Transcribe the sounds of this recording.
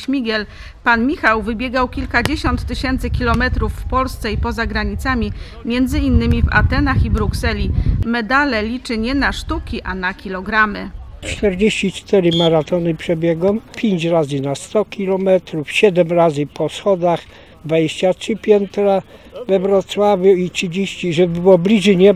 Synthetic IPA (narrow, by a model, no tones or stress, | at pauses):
ɕmʲiɡʲɛl | panmʲixawvɘbʲjɛɡawkʲilkad͡ʑeɕɔnt̪ːɘɕɛnt̪sɘkʲilɔmɛt̪ɾufːpɔlst̪sɛipɔzaɡɾaɲit̪samʲi | mʲjɛnd̪zɘinːɘmʲiva̰t̪ɛnaxibɾuksɛlʲimɛd̪alɛlʲit͡ʂɘɲɛnaʂt̪ukʲiʔanakʲilɔɡɾamɘt͡ʂt̪ɛɾd͡ʑeɕt͡ɕit͡ʂt̪ɛɾɘmaɾat̪ɔnɘpʂɛbʲjɛɡɔmpʲjeɲt͡ɕɾazɘnast̪ɔkʲilɔmɛt̪ɾufɕɛd̪ɛmɾazɘpʰɔsxɔd̪ax | d̪vad͡ʑeɕt͡ɕatʂɘpʲjɛnt̪ɾavɛvɾɔt̪swavʲjuitʂɘd͡ʑeɕt͡ɕiʐɛbɘwɔblʲiʐɘɲɛ